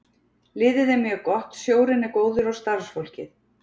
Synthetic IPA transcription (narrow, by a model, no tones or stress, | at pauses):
lɪːðɪðɛmjœkɔht̪sjoːwɾɪnːɪkoːwðʏɾɔst̪aɾ̥sfowl̥cɪ̰θ